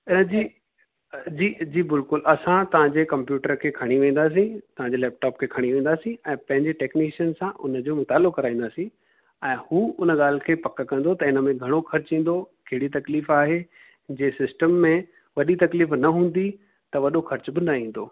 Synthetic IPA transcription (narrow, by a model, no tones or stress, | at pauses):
ɪnə̆d͡ʑiː | d͡ʑiːd͡ʑiːbɪlkʊlʔɐsãt̪ɐʋ̤ãɲd͡ʑekɐ̃mpjuːʈəɾkʰeːkʰɐɽ̃iʋẽːn̆d̪aːs̬ĩt̪ɐʋãɲd͡ʑelɛːp̚ʈaːpkʰeːkʰɐɽ̃iʋẽːnd̪aːsĩɛ̃ːpɐ̃ɦɪ̃ɲd͡ʑeʈeːkniːʃənsãʔʊ̰nə̆d͡ʑoːmʊt̪aːlʊkɐɾaːĩːnd̪aːsĩ | ɛ̃ːhuːʊnəɠaːl̤ɪkʰeːpɐkkɐ̃n̆d̪ot̪ɐɪnə̆mẽɡʱɐɽ̃oxɐɾt͡ɕɦĩːn̆d̪okɐɦɪɽit̪ɐkliːfaːɦe | d͡ʑeːsɪsʈəmːẽ | ʋɐɗit̪ɐkliːfnɐɦũːn̆d̪i | t̪ɐʋɐɗoxɐɾt͡ɕbɪnɐĩːn̆d̪oː